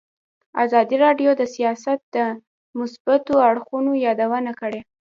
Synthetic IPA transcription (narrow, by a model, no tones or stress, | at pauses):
a̰zɑd̪iɾɑɖjod̪əsijɑsat̪̚d̪ə | mʊsbat̪oaɽxunojɑd̪awənakəɽe